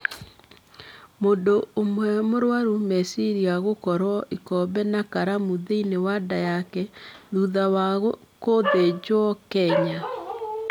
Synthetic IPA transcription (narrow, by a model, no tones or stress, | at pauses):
mondoomwɛmoɾwaɾumɛsiɾiaɣokɔɾwɔʔikɔbɛnakaɾamuðeinewadajakɛðuðawaɣkoðed͡ʑwɔkɛɲa